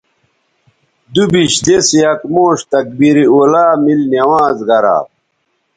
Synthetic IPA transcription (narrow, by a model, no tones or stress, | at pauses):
d̪ubiɕd̪esijɐkmoːɕt̪ɐk̚biɾiolaːmilnɐwãːzɡɐɾa̰ː